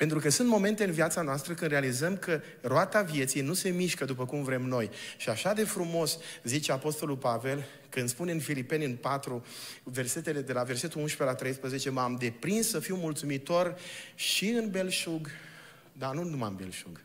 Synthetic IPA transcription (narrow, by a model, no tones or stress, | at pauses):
pe̞nt̪ɾukəsunt̪mo̞me̞nt̪eɨnvjat̪sanoast̪ɾəkɨnɾealizəmkə | roat̪avje̞t̪sijnuse̞miʃkəd̪up̬əkumvɾe̞mno̞jʃiaʃad̪e̞fɾumo̞szit͡ʃe̞apo̞st̪o̞lulpave̞l | kɨnspuneɨnfilipe̞nɨnpat̪ɾuve̞rse̞t̪e̞le̞d̪e̞lave̞rse̞t̪ulunʃpe̞lat̪ɾe̞jspɾəze̞t͡ʃe̞mamd̪e̞pɾinsːəfiwmult̪sumit̪o̞rʃiɨnbe̞lʃuɡ | d̪anunuma̰mbḛlʃuɡ